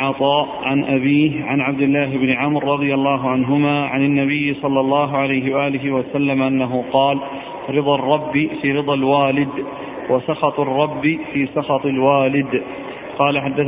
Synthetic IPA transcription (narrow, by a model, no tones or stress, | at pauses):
ʕɑt̪ˤɑːʔʕanʔabiːhʕanʕabd̪ɪlːaːɦɪbnɪʕamɾːɑd̪ˤɨjalːaːɦʊʕanɦʊmaːʕanɪnːabɪjːsˤɑlːɑlˤːɑːɦʊʕalajɦɪwaʔaːlɪɦɪwasalːamʔanːaɦʊqɑːl | ɾɨd̪ˤɑrˤːɑbːifiːɾɨd̪ˤɑlwaːlɪd̪ | wasɑxɑt̪ˤɑrˤːɑbːifiːsɑxɑt̪ˤɪlwaːlɪd̪ | qɑːlaħad̪ːa